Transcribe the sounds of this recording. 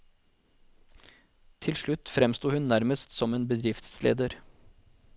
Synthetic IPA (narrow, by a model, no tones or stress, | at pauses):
t̪ʰɪlʂɭʉt̪fɾɛmst̪uːhʉnnæɾməst̪sɔmeːnbəd̪ɾɪft̪slḛːd̪əɾ